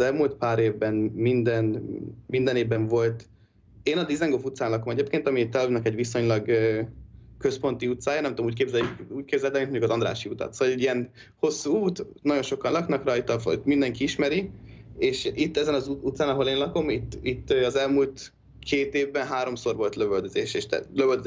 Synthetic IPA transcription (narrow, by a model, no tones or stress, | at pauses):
ɛlmult̪paːɾeːvbɛnmind̪ɛnmind̪ɛneːvbɛɱvo̞lt̪ | eːnɒd̪izɛŋɡofut̪saːnlɒko̞mɛɟeːpkeːnt̪ɒmit̪ɛlnɛkɛɟʋiso̞ɲlɒɡøː | køspo̞nt̪iut̪saːjɒnɛmt̪omuːc̚keːbzɛjjikuːc̚keːbzɛlt̪ɛminmoɲɟukɒzɒnd̪ɾa̰ːʃiut̪ɒ̰t̪sovɒlɛɟːijɛn | ho̞sːuːuːt̪ | nɒɟo̞nʃo̞kɒnlɒknɒkrɒjt̪ɒfmind̪ɛŋkiiʃmɛɾieːʃit̪ːɛzɛnɒzut̪saːnɒɦo̞leːnlɒko̞mit̪ːit̪ːøɒzɛlmuːlt̪ | kʰeːt̪eːvbɛnɦaːɾo̞mso̞rʋo̞lt̪løvøld̪øzeːʃeːʃt̪ɛ̰løvøld̪